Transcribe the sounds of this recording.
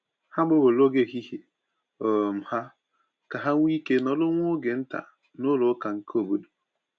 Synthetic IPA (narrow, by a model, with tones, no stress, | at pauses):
ha˦ɡ͡bo˦bo˨lo˦ɡe˦˨ɦi˦ɦe˨ | o˨m̩˨ha˦ | ka˨ɦa˦ŋʷ˦i˦ke˦nɔ˨lʊ˦ŋʷ˦ʊ˦ɡe˨n̩˦ta̰˨ | nʊ˦lʊ˦ka˨ŋ̩˦ko˦˨bo˦du̥˨